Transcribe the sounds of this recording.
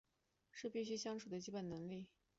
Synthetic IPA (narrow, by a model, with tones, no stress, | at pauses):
ʂɻ̩˥˧pi˥˩ɕ̬y˥ɕjɑ˥ŋʈ͡ʂʰu˨˩d̪ə˦t͡ɕi˥pə˨˩nnɤ˧˥ŋli˥˩